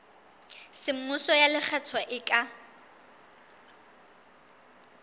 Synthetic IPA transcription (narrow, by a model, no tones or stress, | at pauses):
sɪm̩mʊsɔjalɪk͡xʰɛt͡sʰɔʔɪkʼa